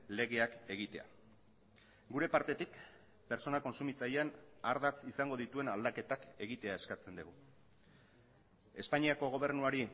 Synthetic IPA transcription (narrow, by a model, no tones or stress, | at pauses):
le̞ɣ̞e̞ake̞ɣ̞it̪e̞a̰ | ɡuɾe̞paɾt̪e̞t̪ik | pe̞ɾt͡so̞nako̞nsumit͡sajeanaɾðat͡sisaŋɡo̞ðit̪ue̞nald̪ake̞t̪ake̞ɣit̪e̞ae̞skat͡se̞nd̪eɣu | e̞spaɲiako̞ɣ̞o̞β̞e̞ɾnuaɾi